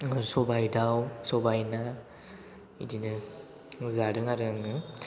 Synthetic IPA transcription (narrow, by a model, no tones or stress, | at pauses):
sɔbajdawsɔbajna | ḭdinɯ | zaɾɯŋaɾɯŋɯ